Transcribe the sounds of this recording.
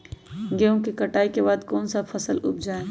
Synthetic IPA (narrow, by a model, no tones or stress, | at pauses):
ɡeõkikɐʈaːikebaːd̪koːnsafʰɐsəlʊ̰b̚d͡ʒaːe